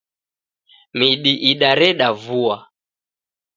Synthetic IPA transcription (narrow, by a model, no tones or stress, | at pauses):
miɗiʔiɗaɾɛɗavua